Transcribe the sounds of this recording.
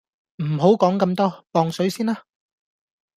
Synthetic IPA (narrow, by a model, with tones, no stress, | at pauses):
m̩˨˩ɦo˨˥wkɔː˨˥ŋkɐ˧mt̪ɔː˥pɔː˧ŋsɵ˨˥ɥsiː˥naː˥